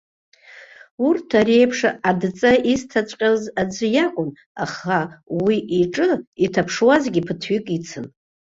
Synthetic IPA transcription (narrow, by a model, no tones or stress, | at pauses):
urtʰare̞jpʰʂaadt͡sʼaistʰat͡sʷʼqʲʼazad͡zʷɨjakʷʼʊn | a̰χawiʔiʈ͡ʂʼɨitʰapʰʂwazɡʲipʰɨtʰɥikʼit͡sʰɨn